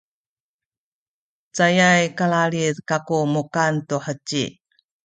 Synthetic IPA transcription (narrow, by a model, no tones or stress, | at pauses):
t͡sajajkaɭaɭirkakumukantuħət͡ɕːḭ